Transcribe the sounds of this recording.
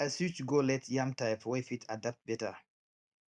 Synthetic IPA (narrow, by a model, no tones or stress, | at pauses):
asut͡ʃɡolɛtʰjãmtaɪpwefitʰadap̚t̚bɛta